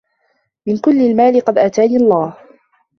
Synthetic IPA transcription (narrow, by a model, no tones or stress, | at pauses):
mɪnkʊlːɪlmaːlɪqɑd̪ʔaːt̪aːniːɑlˤːɑːh